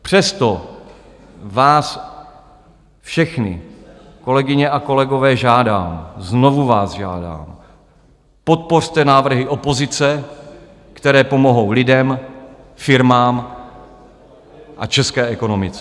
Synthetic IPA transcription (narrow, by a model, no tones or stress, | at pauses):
pr̝̥ɛst̪o̞ | vaːs | fʃɛxnɪ̰ | ko̞lɛɡɪɲɛʔako̞lɛɡo̞vɛːʒaːdaːmzno̞vuvaːzʒa̰ːda̰ːm | po̞t̪̚po̞r̥t̪ɛnaːvr̩ɦɪʔo̞po̞zɪt͡sɛ | kt̪ɛɾɛːpo̞mo̞ɦo̞wlɪdɛm | fɪɾmaːm | ʔat͡ʃɛskɛːʔɛko̞no̞mɪt͡sɛ